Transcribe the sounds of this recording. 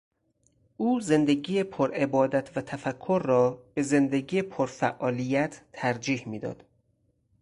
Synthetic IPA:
ʔuːze̞nd̪eɡiːjepʰoɾe̞bɒːd̪æt̪ʰvæt̪ʰæfækʰːoɾːɒːb̥e̞ze̞nd̪eɡiːepʰoɾfæʔɒːlijæt̪ʰːæɾd͡ʒiːhmiːd̪ɒ̰ːd̪̥

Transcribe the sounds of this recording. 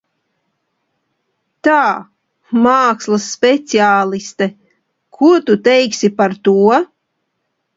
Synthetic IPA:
t̪aː | maːkslˠasːpʲɛt̪siaːlˠist̪ɛ | kʰuɔt̪ut̪ɛjksʲipaɾt̪uɔ

